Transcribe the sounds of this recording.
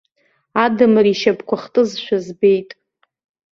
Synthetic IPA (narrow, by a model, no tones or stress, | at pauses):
adɨmriʃabkʷʰaχtʼɨzʃʷᶣazbe̞jtʼ